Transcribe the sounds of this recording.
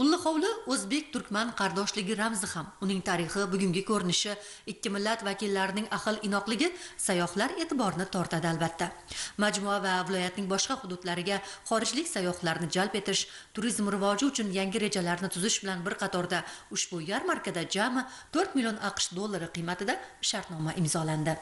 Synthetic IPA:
ʊlˠːɪχɒwlɪɵzbe̞k̚ʲt̪ʰʊɾkʲmanqʰɑɾd̪ɒʃlɪɡʲɪɾamzɪhamʊnɪŋt̪ʰaɾɪχɪbʊɡʲʊŋɡʲɪkʲʰɵɾɪnɪʃɪ | ɪkʲːɪmɪlːat̪vakʲilːaɾɪnɪŋaqɨlˠɪnɒqlˠɪɡʲɪsajːɒhlaɾe̞ːt̪ʰɪbɒɾɪnɪt̪ʰɒɾt̪ʰad̪ɪalˠbat̪ʰːamad͡ʒmuavavɪlɒjat̪nɪŋbɒʃqɑhʊd̪ʊd̪laɾɪɡʲaχɒɾɪd͡ʒlɪkʲsajːɒχlaɾnɪd͡ʒalˠpe̞t̪ɪʃ | t̪ʰʊɾizmɾɪvɒd͡ʒɪʊt͡ʃʰʊnjaŋʲɪɾe̞d͡ʒalaɾnɪt̪ʰʊzɪʃbɪlanbɪɾqʰɑt̪ʰɒɾd̪aʊʃbʊjaɾmaɾkad̪ad͡ʒamɪ | t̪ʰɵɾt̪mɪlijo̞nʔɑqʃd̪olˠːaɾɪqʰɨjmat̪ɪd̪aʃaɾt̪nɒmaʔɪmzɒland̪ɪ

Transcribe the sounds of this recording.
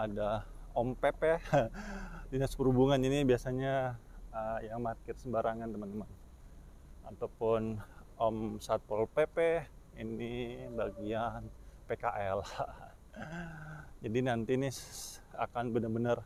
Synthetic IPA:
ada | ɔmpepe | dinaspəɾubuŋaninibiasaɲaəjaŋmat̪̚kɪrsəmbaɾaŋant̪əmənt̪əman | at̪apʊn | ɔmsat̪̚pɔlpepɛ | inibaɡianpekaʔɛl | d͡ʒadinant̪inia̰kanbənərbənər

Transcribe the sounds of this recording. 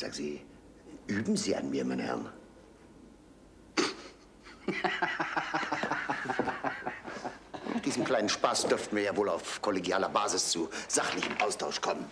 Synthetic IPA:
z̥a̰ːɡziː | ʔyːbm̩ziːa̰nmiːɐmaɪnəhɛ̰ɐn | d̥iːzəmkl̥aɪnənʃpaːsd̥ʏɐftn̩viːɐjaːvoːlaʊfkʰɔleɡjaːlɐbaːzɪst͡suz̥aχlɪçəmʔaʊstʰaʊʃkʰɔmən

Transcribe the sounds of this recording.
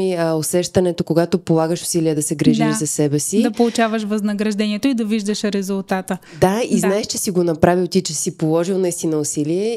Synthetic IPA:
iosɛʃt̪ɐnɛt̪okoɡat̪opolˠaɡəʃʊ̥siliəd̪ɐsɛɡɾiʒiʒzɐsɛbɛsidd̪ɐppolˠʊt͡ʃavəʃ̬vɐznɐɡɾɐʒd̪ɛniɛt̪oid̪ɐviʒd̪əʃɾɛzʊlˠt̪at̪ə | d̪aiznaɛʃt͡ʃɛsiɡonɐpɾavilt̪it͡ʃɛsipolˠɔʒilˠnɐist̪inəʊsiliɛ

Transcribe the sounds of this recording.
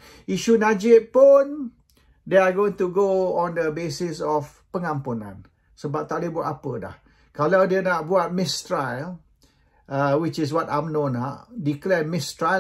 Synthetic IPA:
iʃunad͡ʒɪʔ̚pʊn | deaɡoĩŋt̪uɡoɔ̃ndəbesɪsɔf | pəŋãmpunã̰n | səbap̚t̪aʔdebuat̚apəda̰h | kalawdiənaʔ̚buat̚mɪst̪ɹajl | əwɪt͡ʃɪs̬wɔtamnõnaʔdiklɛmɪstɹa

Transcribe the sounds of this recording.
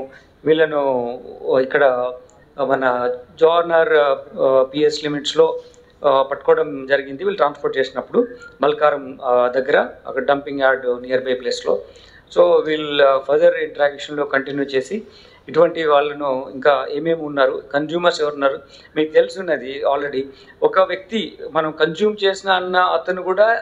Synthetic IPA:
ʋiːɭɐnu | ikːɐɽɐ | mɐnɐd͡ʒaːɾnɐɾ | pieslimiʈslo̞ː | pɐʈːɐ̥kɔːɽɐmd͡ʒɐɾiɡind̪iʋiːlɐʈɾaːnspɐɾʈ̚t͡ʃe̞ːsinɐpːuɽubɐlɐkaːɾɐmd̪ɐɡːɐɾɐɐ̰kːɐɽɐɖɐmpiŋɡjaːɾɖniːjɐɾbɐjpleːslo̞̰ː | so̞ːʋiːɭupʰɐɾd̪ɐɾiɳʈɐɾaːɡkʂɐnlo̞ːkɐɳʈinjuːt͡ʃe̞ːsi | iʈuʋɐɳʈiʋaːɭːɐnuḭŋkaːe̞ːme̞ːmunːaːɾukɐnd͡ʒuːmɐɾsɛʋɐɾunːaːɾu | miːt̪e̞lusunːɐːd̪iaːlɾeɽi | ɔkɐʋjɐk̚t̪imɐnɐmkɐnd͡ʒuːmt͡ʃe̞ːsinaɐnːɐɐt̪ːɐnːukuːɽaː

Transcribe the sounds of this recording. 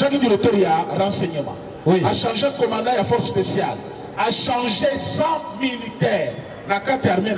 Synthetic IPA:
ʒãkĩdiɾot̪oɾijaɾãseɲẽmã̰ | wiaʃãʒekɔmãdãjafɔɾspesijal | aʃãʒesãmilitɛɾ | nakatiaɾmẽn

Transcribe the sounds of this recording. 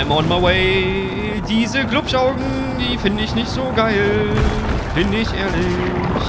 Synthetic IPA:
ɪmɔnmaɪweɪ | diːzəklʊpʃaʊɡŋ̩ | d̥iːfɪndəɪçnɪçtz̥oːɡaɪl | b̥ɪnɪçʔḛːɐlɪç

